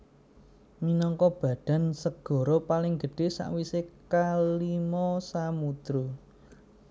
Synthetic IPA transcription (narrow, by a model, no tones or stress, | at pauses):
minɔŋkɔb̥ä̤ɖ̥a̤nsəɡ̥ɔ̤ɾopalɪŋɡə̤ɖ̥e̤sa̰ʔwisekalimɔsamud̪̥ɾu